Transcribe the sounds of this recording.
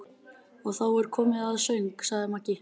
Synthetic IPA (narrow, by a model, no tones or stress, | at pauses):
ɔɣθawɛɾ̥kʰɔːmɪðaðsœɥŋksaɣðɪmacɪ